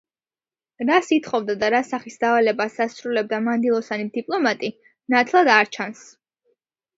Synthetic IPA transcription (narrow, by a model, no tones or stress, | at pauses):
ɾasit̪ʰχɔvd̪ad̪aɾasaχisd̪avalɛbasasɾulɛb̚d̪amand̪ilˠɔsanid̪ipʼlˠɔmat̪ʼi | nat̪ʰlˠad̪aɾt͡ʃʰans